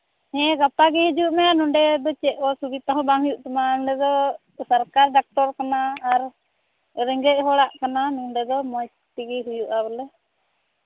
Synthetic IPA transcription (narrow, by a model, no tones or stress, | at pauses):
ɲɛ̃ɡapaɡɛɦid͡ʒuʔmɛanɔɖɛd̪ɔt͡ʃɛʔ̚ɔsubit̪aɦɔ̃baŋɦujuʔt̪ɔmaɔɳɖɛd̪ɔ | saɾkaɾɖak̚ʈɔɾkanaːɾ | ɾɛŋɡɛʔ̚ɦɔɽaʔkananuɖɛd̪ɔmɔjst̪iɡɛɦujuʔabɛlɛ